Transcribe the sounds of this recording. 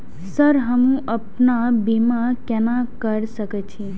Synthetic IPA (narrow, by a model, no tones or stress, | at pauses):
səɾɦəmũʔəpnabemakɛnãkəɾsəkət͡ʃʰi